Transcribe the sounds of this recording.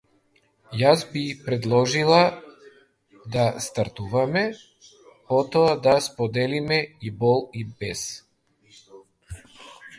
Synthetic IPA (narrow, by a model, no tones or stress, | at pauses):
jazbipɾɛd̪lˠɔʒilˠa | d̪ast̪aɾt̪uvamɛ | pɔt̪ɔad̪aspɔd̪ɛlimɛibɔlˠibɛs